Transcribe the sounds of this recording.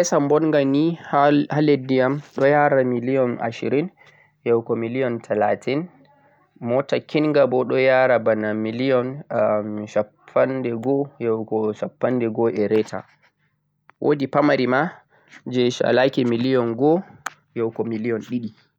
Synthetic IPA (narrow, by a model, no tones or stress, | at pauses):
ʔɛsambɔnŋɡanihhaledːijamɗɔjaɾamilijɔna̰ʃḭɾin | jɛwkɔmilijɔntʰalatin | mɔtakinŋɡabɔɗɔjaɾabanamilijɔn | ʃapʰːandɛɡɔjɛwkɔʃapːandɛɡɔʔɛɾɛtʰa̰ | wʔo̰dipamaɾima | d͡ʒɛʃa̰lakɛmilijɔnɡɔ | jɛwkɔmilijɔnɗiɗi